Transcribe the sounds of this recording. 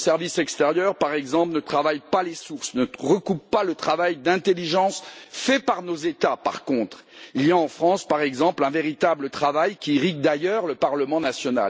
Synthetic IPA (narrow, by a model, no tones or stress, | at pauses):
sɛʁvisɛkst̪eʁjœʁpaʁɛɡzɑ̃plnət̪χavajpalesuʁsnəʁəkupːalət̪χavajd̪ɛ̃t̪eliʒɑ̃sfɛpaʁnozet̪apa̰ʁkɔ̃t̪χ | iljaɑ̃fχɑ̃spaʁɛɡzɑ̃plɛ̃veʁit̪ablət̪χavajkʲiʁiɡ̚d̪ajœʁləpaʁləmɑ̃nasjɔna̰l